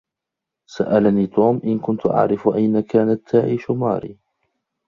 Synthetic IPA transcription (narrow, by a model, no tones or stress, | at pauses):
saʔalaniːt̪uːmʔɪnkʊnt̪ʊʔa̰ʕɾɪfʔajnakaːnat̪ʰːaːʕiːʃʊmɑ̰ːɾḭː